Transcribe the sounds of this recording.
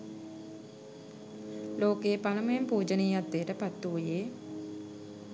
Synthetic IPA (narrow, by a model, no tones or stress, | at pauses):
loːkeːpaləməjempuːd͡ʒəniːat̪ːeəʈəpat̪ːuːjeː